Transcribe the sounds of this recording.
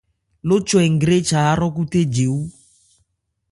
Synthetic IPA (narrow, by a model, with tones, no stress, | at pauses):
lʊ˦t͡ʃwɛ˨ŋ˨ɡɾe˦t͡ʃa˨a˦ɾɔ˦ku˦te˦d͡ʒe˨u˦